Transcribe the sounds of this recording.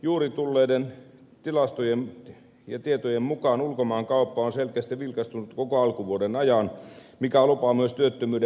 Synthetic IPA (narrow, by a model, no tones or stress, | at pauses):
juːrit̪ulːeident̪ilɑst̪ojem | jɑt̪iet̪ojemmukɑːnulkomɑːŋkɑupːɑonselkeæst̪iʋilkɑst̪unut̪kokoɑlkuʋuodenɑjɑn | mikælupɑmyøst̪yøt̪ːømyːde